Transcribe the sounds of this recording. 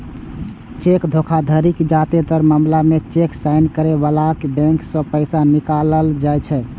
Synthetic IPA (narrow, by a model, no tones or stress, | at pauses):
t͡ʃekd̪ʱokʰad̪ʱəɾikd͡ʒat̪et̪əɾmamlamet͡ʃeksaɪnkəɾeβalakbɛ̃ŋksə̃pəɪsanikaləld͡ʒajt͡ʃʰɛ